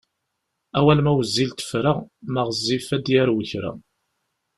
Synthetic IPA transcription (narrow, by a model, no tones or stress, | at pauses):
æwælmæwəzːilt̪ə̥fɾaʁmaʁəzːifæd̪jæɾwəçɾæ̰